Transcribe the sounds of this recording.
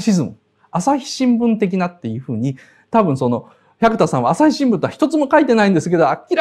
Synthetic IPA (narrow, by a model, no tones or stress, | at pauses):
ɕizɨmɯ̰ | asaçʲi̥ɕĩmbɯ̟̃nt̪e̞k̬ʲinat̪ːe̞jɯ̟ɸɯ̟ːɲ̟i | t̪abɯ̟̃ɰ̃so̞no̞ | çakɯ̟t̪asãaːsaçʲiɕĩmbɯ̟nt̪oaçi̥t̪o̞t͡sɨmo̞kait̪e̞naĩnd̪e̞sɨ̥ke̞d̪o̞akʲiɾ